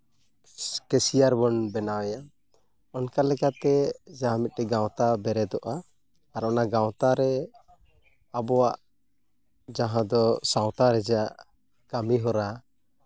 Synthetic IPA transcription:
kɛsijaɾbɔnbɛnawɛja | ɔnkalɛkat̪ɛd͡ʒaɦãmit̪̚ɾɛɡãwt̪abɛɾɛd̪ɔʔa | aɾɔnaɡawt̪aɾɛ | abɔwaʔ | d͡ʒaɦãd̪ɔsaw̃t̪aɾɛd͡ʒaʔ | kamiɦɔɾa

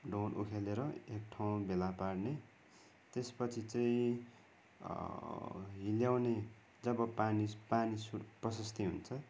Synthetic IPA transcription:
ɖonʔṵkʰeleɾʌek̚ʈʰaw̃bʱelaparne | t̪espʌt͡sʰit͡sʌĩ | ɦiljawne | d͡zʌbʌpanipanisuprʌsʌst̪iɦṵnt͡sʰʌ

